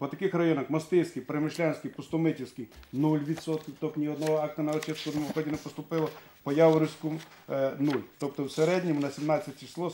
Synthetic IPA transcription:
pɔt̪ɐkɪxrɐjɔnɐxmɐst̪ɪsʲkijpɾemɪʃlʲanʲsʲkʲijpʊst̪ʊmɪtʲɪwsʲkɪjnulʲʋʲit̪sɔt̪kʲɪt̪ɔknʲiɔd̪nɔɦɔɑk̚t̪ɐnɐɔt͡ʃɪskʊnɛmɔxɔdʲinɛpɔst̪ʊpɪlˠɔ | pɔjawɔɾʲɪwsʲkʊmnulʲt̪ɔpt̪ɔwseɾɛd̪ʲnʲimʊnɐsʲimnɑt͡sʲːɐtʲt͡ʃi̥slˠɔ

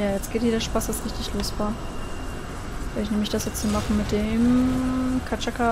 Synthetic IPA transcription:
jaːjɛt͡sɡ̥eːtjiːdɐʃpasasʁɪçtɪçloːstv̥aːɐ | v̥eɪçnɛːmlɪçd̥asjɛt͡sthiːmaχn̩mɪt̚d̥eːm | kʰat͡ʃaka

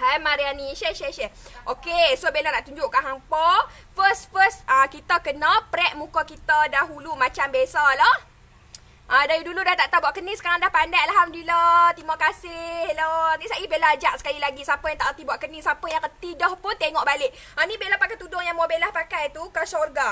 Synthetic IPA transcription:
hajmaɾianiʃɛʃɛʃɛʔokesobelanaʔt̪uɲd͡ʒʊʔkanɦampa | fəst̪̚fəsakit̪akənalpəɾɛʔ̚mũkakit̪adaɦulumat͡ʃambesalah | ʔadaɾiduludat̪aʔt̪abuaʔkənisə̥kaɾaŋdahpandajalɦamdilat̪imakasɪhlanisaibelad͡ʒaʔ̚sə̥kalilaɡisapəjãŋt̪aʔkət̪ibuaʔkənisapəjaŋkət̪idɔhpʊnt̪eŋɔʔbalɪʔ̚ | ʔanĩbelapakajt̪udʊŋjaŋmabelahpakajt̪ukasorɡa

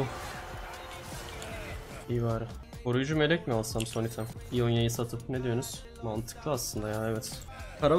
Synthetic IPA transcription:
u | ijvaːɾɯ | boɾujd͡ʒume̞lʲɛcmialˠsamso̞nit̪ʰæm | ijonjajɯsat̪ʰɯpned̪ijo̞ɾuz̥ | mant̪ʰɯ̥klˠɯaslˠɯnd̪ajaevɛt̪ | kʰaɾa

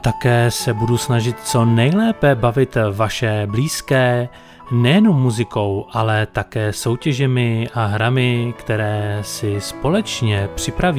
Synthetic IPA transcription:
t̪akɛːsɛbudusnaʒɪt̪t͡so̞nɛjlɛːpɛbavɪt̪vaʃɛbliːskɛː | nɛjɛno̞mːuzɪko̞wʔalɛt̪akɛːso̞wcɛʒɛmɪʔaɦɾamɪkt̪ɛɾɛːsɪspo̞lɛt͡ʃɲɛpr̝̥ɪpɾaviː

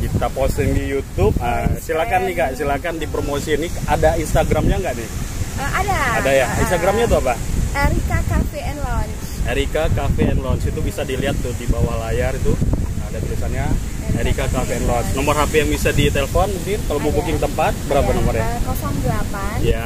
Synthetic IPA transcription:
kit̪aposəŋijut̪up̚əsilakanːɪhkaʔsilakandipɾomosiːnɪadainst̪aɡɾamɲaŋɡaʔnɪhadaadajainst̪aɡɾamɲat̪̬uapaɛɾikakafeɛnlɔnsɛɾikakafeɛnlɔnsit̪ubisadiliat̪ːʊdibawalajarit̪uədadiisanɲa | ɛɾikakafeɛnlɔnsnɔmərhapejaŋbisadit̪elefɔnməŋkɪnkalomubukɪŋt̪əmpat̪̚bəɾapanɔmɔrɲakɔsɔŋdəlapaja

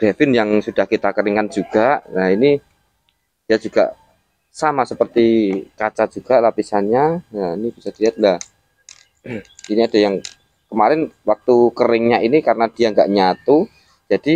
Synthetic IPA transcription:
ɡ̥ɾafɪnjaŋsud̥ahkit̪akəɾɪŋkand͡ʒuɡ̥aʔnaini | d̥ijad͡ʒuɡ̥a̰ʔ | samasəpərt̪ikat͡ʃad͡ʒ̥uɡ̥aʔlapisanɲajainib̥isad̥iliɦat̪̚lah | iniad̥ajaŋ | kəmaɾɪnwak̚t̪ukəɾɪŋɲaʔinikaɾənad̥iaŋɡaʔɲat̪u | d͡ʒad̥i

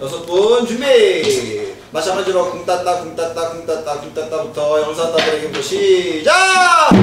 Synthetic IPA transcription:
jʌsʰʌpont͡ɕume | maɕʰamad͡ʑiɾʌkuŋt͈at̚t͈akuŋt͈at͈akuŋt͈at͈akuŋt͈at͈abutʰʌjʌŋsʰat͈adɯɾeɡeboɕʰit͡ɕa

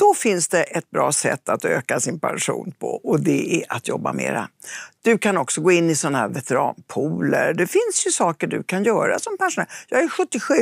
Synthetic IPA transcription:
d̪̥ɔfɪnsd̪ɛʔɛt̪̚bɾɑːsɛ̰t̪ːat̪ø̰ːkasɪnpʰa̰nʂṵːnpʰɔ̰ʔɔd̪ɛæʔat̪jɔbːamḛːɾa̰d̪̥ɵkʰanɔksɔɡoːɪnːɪsɔnːaɦæːɾvɛt̪ɛɾɑːnpʰuːləɾɖ̪ɛfɪnsjɵsɑːkəɖɵ̰kʰanjœːɾa̰sɔmpanʂʊnæːɾjɑːɡæɾɧɵt̪ːɪɧʉ̟ː

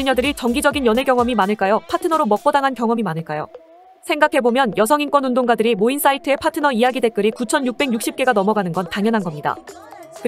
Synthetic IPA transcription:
iɲʌdɯɾit͡ɕʌŋɡid͡ʑʌɡinjʌne̞ɡjʌŋʌmimanɯɭk͈ajopʰatʰɯnʌɾomʌk̚p͈ʌdaŋɦankjʌŋʌmimanɯɭk͈ajo̰ | sʰe̞ŋɡakʰe̞bomjʌnjʌs̬ʰʌŋink͈wʌnundoŋɡadɯɾimoins͈aitʰɯe̞pʰatʰɯnʌijaɡide̞k͈ɯɾikut͡ɕʰʌnjuk̚p͈e̞ɡjuk̚ɕ͈ip̚k͈e̞ɡanʌmʌɡanɯnɡʌntaŋjʌnɦanɡʌmɲida̰ | kɯ

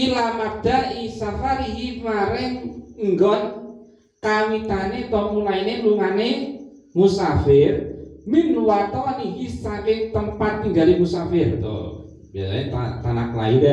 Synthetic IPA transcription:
ilamak̚d̪̥arisafaɾiɦimaɾɪŋŋɡɔn | kamit̪anet̪ɔmulaineŋluŋane | musafɪrminluwat̪ɔniɦisakɪŋt̪əmpat̪ːiŋɡalimusafɪrt̪o̰ | b̥ijasa̰et̪at̪anakla̰idɛ

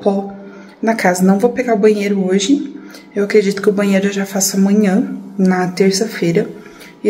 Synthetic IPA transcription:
pɔ | nɐkazɐnɐ̃w̃vowpeɡaɾʊbɐ̃ɲejɾʊoʒɪ | ewakɾed͡ʒit̪ʊ̥kɪʊbɐ̃ɲ̃ejɾʊeʒafasʊɐmɐ̃ɲɐ̃nɐt̪eɾsɐfejɾɐ | ɪ

